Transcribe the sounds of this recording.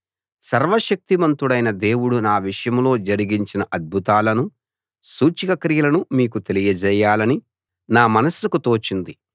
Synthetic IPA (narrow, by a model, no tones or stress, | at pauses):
sɐɾʋɐʃɐk̚t̪imɐnt̪uɽɐjnɐd̪e̞ːwuɽunaːʋiʂɐjɐmlo̞ːd͡ʒɐɾiɡiɲt͡ʃinɐʔɐd̪̚bʱut̪aːlɐnu | suːt͡ʃikɐkɾijɐlɐnumiːkut̪e̞lijɐd͡ʒɛjːaːlɐni | naːmɐnɐsukut̪oːt͡ʃind̪i